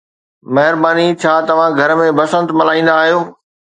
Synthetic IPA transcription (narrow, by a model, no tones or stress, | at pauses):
mɐɦɪɾbaːnit͡ɕʰaːt̪ɐʋ̤ãɡʱɐɾə̆mẽbɐsə̃nt̪mɐlaːĩːn̆d̪aːɦijoː